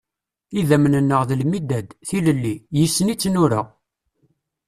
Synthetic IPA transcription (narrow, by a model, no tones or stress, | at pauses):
iðæmnənːəʁðəlmid̪æd̪θiləlːijəsːənit͡sːnʊɾa